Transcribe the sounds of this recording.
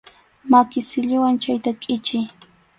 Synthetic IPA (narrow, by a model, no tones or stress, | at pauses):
makɪsɪʎɪwant͡ʃajt̪akʼɪt͡ʃɪj